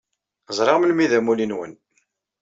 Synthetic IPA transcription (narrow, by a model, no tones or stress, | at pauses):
zˤɾˤɑʁmlmiðæmulinwə̰n